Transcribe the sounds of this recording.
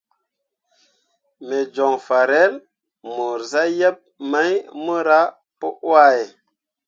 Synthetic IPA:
me˨d͡ʒɔ˨ŋfa˨ɾe˦l | mu˨ɾza˦je˦p̚ma˦jmə˦ɾa˦ | pu˦ʔwa˦je˨

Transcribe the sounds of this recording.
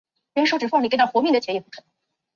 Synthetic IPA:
ɻɛ˧˥nʂo˧˥ʊʈ͡ʂɻ̩˨˩fɑ˥˩ŋli˨˩kɪt̪xwmi˥˩də˩t͡ɕʰjɛ˥jɛ˧˩pu˥˩kʰə˧˩n

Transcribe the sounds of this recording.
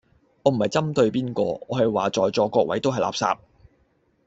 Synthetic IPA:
ŋɔː˧m̩˨˩hɐ˨jt͡sɐ˥mt̪ɵ˧ɥpiː˥nkɔ̰ː˧ɔː˨˧hɐ˨jwaː˨˩t͡sɔː˨jt͡sɔː˨˧kɔː˧˥k̚wʔɐ˨˥jt̪o˥wɦɐ˨jla̰ː˨p̚sa̰ː˧p̚

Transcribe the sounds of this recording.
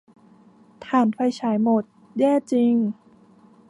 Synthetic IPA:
t̪ʰaː˨˩nfa˧jt͡ɕʰaː˩˦jmo˨˩t̪̚ | jɛː˥˩t͡ɕi˧ŋ

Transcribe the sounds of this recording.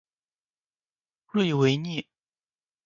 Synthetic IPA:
lwe˥˩ɪwe˧˥ɪni˥˩

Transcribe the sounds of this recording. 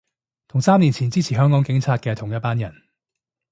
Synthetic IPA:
t̪ʰʊ˨˩ŋsaː˥mniː˨˩nt͡sʰiː˨˩nt͡siː˥t͡sʰiː˨˩ɦœː˥ŋkɔː˨˥ŋkɪ˨˥ŋt͡sʰaː˧t̚kɛː˧t̪ʰʊ˨˩ŋjɐ˥t̚paː˥njɐ˨˩n

